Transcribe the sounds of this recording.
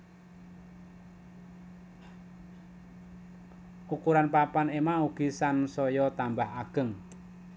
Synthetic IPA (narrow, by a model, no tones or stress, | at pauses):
ʔukuɾanpapanemauɡ̥isansɔjɔt̪ambahaɡ̥əŋ